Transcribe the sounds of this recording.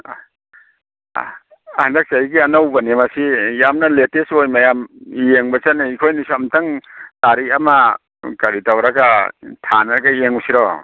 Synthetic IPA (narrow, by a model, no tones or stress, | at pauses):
handak̚t͡ʃajɡianawbɐnemasijamnɐletesojmajamieŋbɐt͡ʃanaikʰojnisɔamtɐŋtaɾiɐma | kɐɾitawɾaɡatʰanaɾɡaijeŋusiɾɔ